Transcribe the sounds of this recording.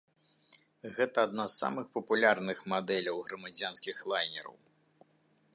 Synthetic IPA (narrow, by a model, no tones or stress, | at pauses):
ɣɛt̪ɐːd̪̚nasːa̰mɨxpɐpulʲarnɨxmad̪ɛlʲɐwɣɾɐmad͡zʲanskʲixlˠajnʲɛɾɐ̰w